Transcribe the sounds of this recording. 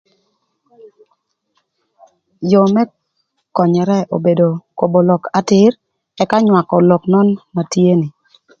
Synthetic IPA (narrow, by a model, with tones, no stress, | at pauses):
jɔ˨mɛ˦ | kɔ˨ɲɛ˨ɾɛ˦o˨be˨do˨ko˨bo˨lɔ˨ka˨˦tɪ˦ɾ | ɛ˦ka˦ɲwa˨kɔ˨lɔ˨knɔ˦nma˨tje˦ni˨